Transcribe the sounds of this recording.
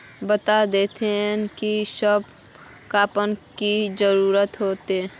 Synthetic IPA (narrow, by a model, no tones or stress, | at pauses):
bət̪ad̪eːt̪eɦnkisəb | kaːpənkizəɾuːɾət̪ɦoːt̪e